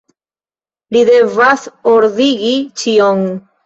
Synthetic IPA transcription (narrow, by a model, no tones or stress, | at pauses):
lide̞vasoɾðiɡit͡ʃioŋ